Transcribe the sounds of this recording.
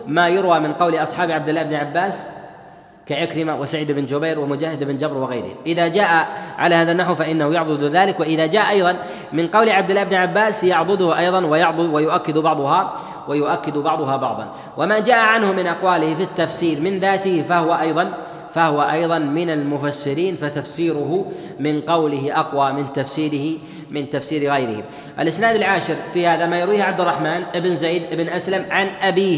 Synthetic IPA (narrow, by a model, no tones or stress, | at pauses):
maːjʊɾwaːmɪnqɑwlɪʔɑsˤħɑːbʕabd̪ɪlːaːhɪbnʕabːaːs | kaʕɪkɾɪmawʔasaʕiːd̪ɪbɪnd͡ʒʊbajɾwamʊd͡ʒaːhɪd̪ʔɪbnd͡ʒabɾwɪɣajɾɪ̰hʔɪðaːd͡ʒaːʔaʕa̰laːhaːðanːaħwfaʔɪnːahʊjɑʕd̪ˤɨd̪ðaːlɪkwaʔɪðaːd͡ʒaːʔʔɑjðˤɑn | mɪnqɑwlɪʕab̚d̪ɪlːaɪbnʕabːaːsjɑʕd̪ˤʊd̪ʊhʔɑjðˤɑnwajɑʕd̪ˤʊwajʊʔakːɪd̪bɑʕd̪ˤʊɦa | wajʊʔakːɪd̪bɑʕd̪ˤʊɦɑbɑʕd̪ˤɑ̰n | wʔamad͡ʒaːʔaʕanhʊmɪnʔɑqwaːlɪhɪfit̪ːafsiːɾmɪnðaːt̪ɪhfahʊwaʔɑjðˤɑn | fahʊwaʔɑ̰jðˤɑnmɪnalmʊfasːɪɾiːnfat̪afsiːɾʊɦʊ | mɪnqɑwlɪɦɪʔɑqwaːmɪnt̪afsiːɾɪhɪ | mɪnt̪afsiːɾɣajɾɪ̰hɪ̰m | ʔa̰lʔɪsnaːd̪alʕaːʃɪɾfiːhaːðamaːjɪɾwiːhʕab̚d̪ʊrˤːɑħmaːnʔɪbɪnzeːd̪ʔɪbɪnʔaslamʕanʔabiː